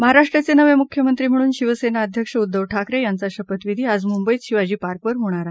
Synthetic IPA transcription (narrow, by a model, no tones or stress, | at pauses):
məɦaɾaʂʈɾat͡senəʋemukʰjəmənt̪ɾiːm̤əɽ̃uːnɕiʋəsenaəd̪ʱjəkʂəud̪ːəʋʈʰakɾejant͡saɕəpət̪ʋid̪ʱiːad͡zmumbəiɕiʋad͡ʑiːpaɾkʋəɾɦoɽ̃aɾa